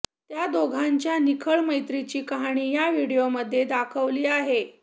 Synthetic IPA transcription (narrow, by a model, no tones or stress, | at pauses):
t̪jad̪oɡʱaɲt͡ɕjanikʰəɭməjt̪ɾit͡ɕiːkəɦaɽ̃iːjaʋiɽijoməd̪ʱːjed̪akʰəʋliːaɦe